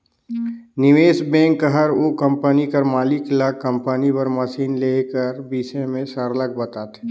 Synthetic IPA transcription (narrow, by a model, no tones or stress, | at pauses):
nɪʋeːsbɛ̃ːŋkːəɦəɾoːkə̃mpənikəɾmaːlɪklaːkːə̃mpənipəɾməsiːnleːkəɾbiːsẽmẽsəɾləɡ̚bɐt̪aːt̪e̥